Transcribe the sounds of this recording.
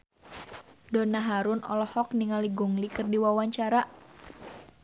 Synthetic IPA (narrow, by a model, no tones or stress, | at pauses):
dɔnaɦaɾʊnʔɔ̰lɔhɔk̚niŋaliɡɔŋlikɨrdiwawaɲt͡ʃaɾa